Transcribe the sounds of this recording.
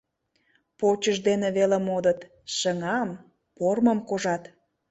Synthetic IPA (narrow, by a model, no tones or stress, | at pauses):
pot͡ɕəʒd̪eneβelemod̪ət̪ | ʃəŋɑm | porməmkoʒɑt̪